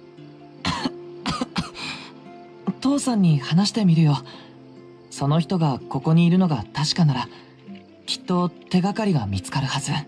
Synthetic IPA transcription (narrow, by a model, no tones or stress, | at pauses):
ot̪o̞ːsãɲ̟ːihanaɕi̥t̪e̞mʲiɾɯ̟jo̞ | so̞no̞çi̥t̪o̞ɡako̞ko̞ɲ̟iːɾɯ̟no̞ɡat̪aɕi̥kanaɾa | kʲi̥t̪ːo̞t̪e̞ɡakaɾʲiɡamʲit͡sɨ̥kaɾɯ̟hazɨ